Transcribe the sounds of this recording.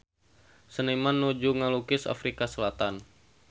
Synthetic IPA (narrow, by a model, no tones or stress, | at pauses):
sənimanːud͡ʒuŋalukɪsa̰fɾikasəlat̪an